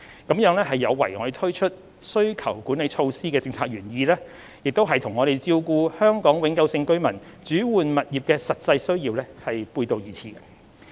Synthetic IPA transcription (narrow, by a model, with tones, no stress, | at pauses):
kɐ˨˥mjœː˨˥ŋlɛː˥ɦɐ˨jːɐ˨˧wːɐ˨˩jŋɔ̰˨˧ɾjt̪ʰɵ˥ɥt͡ʃʰɵ˥t̚ | sɵ˥ɥkʰɐ˨˩wku˨˥nle˨˧jt͡ʃʰo˧wsiː˥kɛː˧t͡sɪ˧ŋt͡sʰaː˧k̚ɥyː˨˩njiː˧lɛː˥ | jɪ˨k̚t̪o˥wɦɐ˨jt̪ʰʊ˨˩ŋɔː˨˧ɾe˨jt͡siː˧wkuː˧hœː˥ŋkɔː˨˥ŋwɪ˨˧ŋkɐ˧wsɪ˧ŋkɵ˥ɥmɐ˨˩n | t͡ʃyː˨˥wuː˨nmɐ˨t̚jiː˨˩p̚kɛː˧sɐ˨t̚t͡sɐ˧jsɵ˥ɥjiː˧wlɛː˥hɐ˨jpuː˧jt̪o˨˧wjiː˨t͡sʰiː˨˩ɡɛ˧